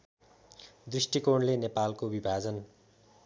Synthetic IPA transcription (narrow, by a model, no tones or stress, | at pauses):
d̪risʈikoɳlenepalkobibʱad͡zʌn